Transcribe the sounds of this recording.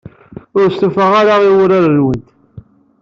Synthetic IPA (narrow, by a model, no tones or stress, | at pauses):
ʊɾst̪ufəʁaɾaiwʊɾaɾənwənt̪